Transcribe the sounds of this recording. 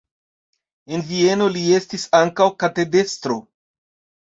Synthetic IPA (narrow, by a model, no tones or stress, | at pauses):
e̞nvie̞no̞lie̞stisaŋkawkate̞de̞stɾo̞